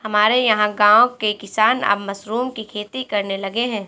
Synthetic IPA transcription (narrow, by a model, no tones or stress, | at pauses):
hɐmaːɾejɐɦãɡãːõkekɪsaːnə̰bmɐsɾuːmkikʰeːt̪ikɐɾnelɐɡeɦɛ̃ː